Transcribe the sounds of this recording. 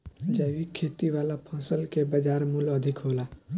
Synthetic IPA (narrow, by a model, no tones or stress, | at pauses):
d͡ʒəːʋikʰːeːt̪iʋaːlapʰɔ̃ːsəlkebəd͡ʒaːɾmʊlɔəd̪ʱɪkɦoːlaː